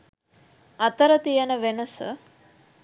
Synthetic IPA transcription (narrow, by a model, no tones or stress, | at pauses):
ɐt̪əɾət̪ijənəʋenəsə̰